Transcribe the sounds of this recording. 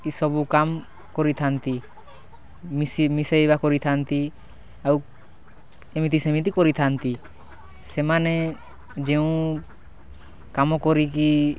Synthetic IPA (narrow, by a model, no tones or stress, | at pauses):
isɔbukam | kɔɾit̪ʰant̪i | imisejbakɔɾit̪ʰant̪i | aw | ɛmit̪̬isemit̪̬ikɔɾit̪ʰant̪i | sɛmanɛ | d͡ʒɛũ | kamɔkɔɾik̬i